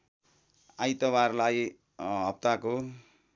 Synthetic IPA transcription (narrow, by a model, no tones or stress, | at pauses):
ajt̪ʌbarlaj | ɦʌp̚t̪ako